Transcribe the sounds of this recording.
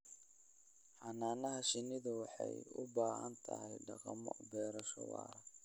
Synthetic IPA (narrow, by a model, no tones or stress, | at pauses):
ħɑnaːnɐɦɐʃɪnɪðʊwɑħɑjʊbaːhɐnt̪ʰɐhɛjɖɑqɑmɔ̰bɛːɾɐʃɔ̰wɑ̰ːɾ